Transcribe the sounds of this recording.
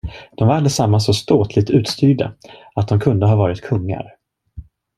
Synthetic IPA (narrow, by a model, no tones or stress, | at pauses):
d̪̥ɔmvaɾalɛsamːasɔst̪oːt̪ʰlɪt̪ʉ̟ːt̪st̪yːɖa̰ | at̪̚d̪ɔmkʰɵnd̪əɦɑːvɑːɾɪt̪kʰɵŋːa̰ɾ